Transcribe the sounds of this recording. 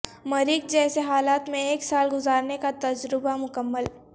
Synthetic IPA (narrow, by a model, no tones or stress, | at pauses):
mɐɾɪk̚d͡ʒɛːseɦaːlaːt̪mẽeːksaːlɡʊzaːɾnekat̪ɐd͡ʒɾɪbamʊkəmːəl